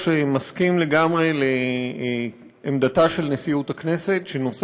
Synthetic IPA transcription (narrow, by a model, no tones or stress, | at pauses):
ʃemaskimle̞ɡamʁe̞le | md̪ataʃe̞lnesiutakne̞se̞tʃenos